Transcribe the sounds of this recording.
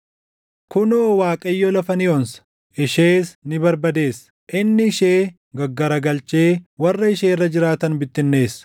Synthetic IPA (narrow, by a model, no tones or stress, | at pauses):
kʊnoːwaːkʼɐjːɔlɐfɐnɪjoːnsɐ̥ | ʔɪʃeːsnɪbɐɾbɐd̪e̞ːs | ʔɪnːɪɪʃeː | ɡɐɡːɐɾɐɡɐlt͡ʃe̞ːwɐrːɐɪʃe̞ːrːɐd͡ʒɪɾaːt̪ɐnbɪt̪ːɪnːe̞ːsːɐ̥